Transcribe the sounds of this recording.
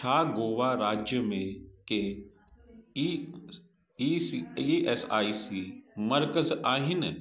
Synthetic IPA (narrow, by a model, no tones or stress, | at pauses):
t͡ʃʰaːɡoːʋaɾaːd͡ʒjəmẽke | iɛsaːisiːmɐɾkəzaːɦɪnɪ